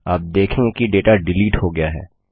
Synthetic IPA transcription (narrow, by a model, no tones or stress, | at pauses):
a̰ːp̚d̪eːkʰẽkiɖeːʈaɖɪliːʈɦoɡɐjaɦɛ̰ː